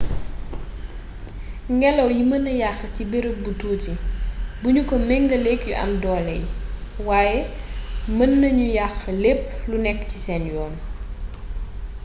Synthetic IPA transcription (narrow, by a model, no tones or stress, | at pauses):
ŋɡɛlɐwjimɐnɐjaxtibeɾəbutuːtibuɲukɔmɛŋɡɐlɛkjuʔɐ̰mdɔːlɛjwaːjɛ | mɐnːɐɲujaxlepːlunɛkːtisɛnjɔːn